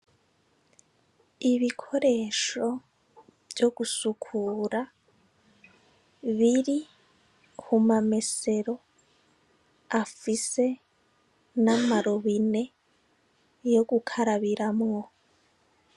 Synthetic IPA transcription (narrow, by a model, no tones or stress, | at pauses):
iβikʰoɾeʃo | βjoɡ̥usukʰuɾa | βiɾi | humamese̞ɾo̞ | afise̞ | namaɾoβine̞ | joɡukʰaɾaβiɾamŋo̞